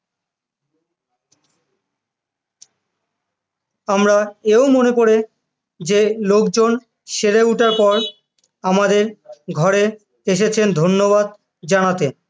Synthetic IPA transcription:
amɾaeomonekoɾe | d͡ʑelokd͡ʑon | ʃeɾeuʈaɾpɔɾ | amad̪eɾɡʱɔɾe | eʃet͡ɕʰend̪ʱonːobad̪ | d͡ʑanat̪e

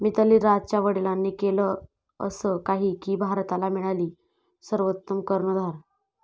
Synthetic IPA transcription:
miːt̪əliːɾad͡zt͡ɕaʋəɽilanːiːkelə | ə̰səkaɦiːkiːbʱaɾt̪alamiɭaliː | səɾʋət̪ːəmkəɾɳəd̪ʱaɾ

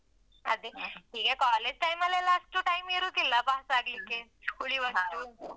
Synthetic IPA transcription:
a̰d̪iʈʰiːkɛkɔled͡ʑʈajmalalasʈuʈaimeɾut̪ilapasaɡlikeuɭiːʋəuː

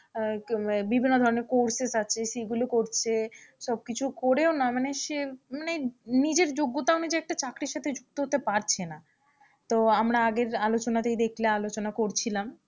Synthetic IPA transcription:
bibʱinːod̪ʱɔɾoneɾkoɾsesat͡ɕʰesiɡulokoɾt͡ɕʰeʃɔb̚kit͡ɕʰukoɾeonamaneʃemanenid͡ʑeɾd͡ʑoɡːot̪aonid͡ʑeɛk̚ʈat͡ɕakɾiɾʃat̪ʰed͡ʑuk̚t̪oɦot̪epaɾt͡ɕʰena | t̪oamɾaaɡeɾalot͡ɕonat̪ejd̪ekʰlealot͡ɕonakoɾt͡ɕʰilam

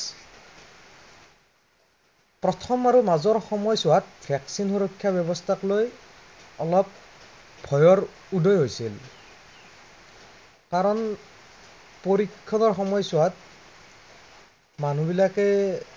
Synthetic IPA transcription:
pɹɔtʰɔmaɹumazɔɹxɔmɔjsʊwat̚pʰɹɛksinxuɹɔkʰːjabjɔbɔstʰakloj | ɔlɔp̚ | bʱɔjɔɹ | udʱɔjɦojsil | kaɹɔn | poɹikʰːɔdɔɹxɔmɔjsʊat̚ | manubilakɛ

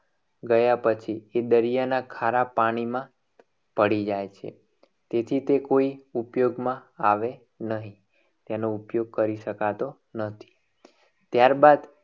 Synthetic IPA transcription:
ɡəjapət͡ʃʰied̪əɾijanakʰaɾapaɽ̃imã | pəɽid͡ʒajt͡ʃʰḛ | t̪et̪ʰit̪ekoiupjoɡmãaʋe | nəɦĩ | t̪enoupjoɡ̚kəɾiʃəkat̪o | nət̪ʰi̥ | t̪jaɾbad̪

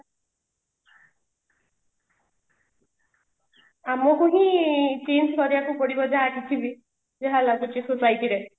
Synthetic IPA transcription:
amɔkuɦĩt͡ʃend͡ʒkɔɾiakukɔɽibɔd͡ʒaɦakit͡ʃʰibi | d͡ʒeɦalakut͡ʃisusajʈiɾe

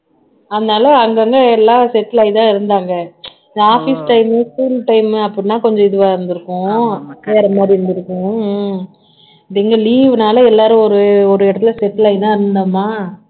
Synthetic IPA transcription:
ɐðɐnaːlɐɐŋɡɐŋɡɐɛlːaːsɛʈːlɐɪt̪ãːɪɾɯnd̪aːŋɡɐ | naːfisʈɐɪmskuːlʈɐɪmɐpːɐɽɪnːaːkɔɲd͡ʒɔ̃ɪðɯʋaːɪɾɯnd̪ɯɾɯkːʊ̃ʋeːɾɐmaːd̪ɾiɪɾɯnd̪ɯɾɯkːʊ̃ | ðɪŋɡɐliːʋɯnaːlɐɛlːaːɾɯ̃ɔɾɯɔɾɯɪɽɐt̪ːɪlɐsɛʈːlaːɪt̪ãːɪɾɯnd̪aːmaː

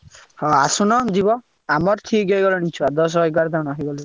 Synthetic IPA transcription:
hɔasunɔd͡ʒibɔ | amɔɾt̪ʰiɡɔjɡɔlɔnit͡ʃʰuad̪ɔs̬ɔɔjɡaɾd̪anaɦiɡɔli

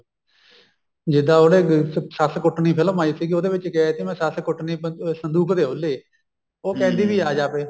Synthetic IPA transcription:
d͡ʒɪd̪ãːoːɽeːsəskʊʈniːpʰələmaːiːsiːɡoːd̪eːʋɪt͡ʃkɛːeːt̪imɛ̃ːsəskʊʈniːsənd̪uːkd̪eːɦoleː | oːkɛ̃ːnd̪iːbiːaːd͡ʒaːpeː

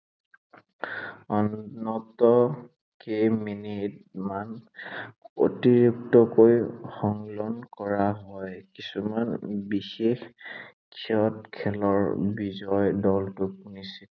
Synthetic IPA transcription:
ɔnːɔtɔ | keminit̚man | o̰tiɹuktɔkojxɔŋlɔnkɔɹaɦɔjkisumanbixex | kʰiɔtkʰɛlɔɹbizɔjdɔltʊkunisi

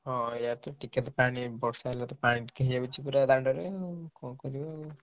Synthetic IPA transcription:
ɦɔ̃jat̪ɔʈiket̪ɔpanibɔksajlat̪ɔpaniʈkeɦid͡ʒabit͡ʃʰipuɾad̪aɳɖɔɾekɔ̃kɔɾibɔ

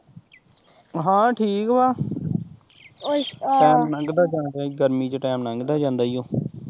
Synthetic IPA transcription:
ɦãːʈʰiːkbaː | ʈɛːmnə̃ŋɡd̪aːd͡ʒãːnd̪aːɡəɾmiːt͡ʃʈɛːmnãŋɡd̪aːd͡ʒãːnd̪aːijõː

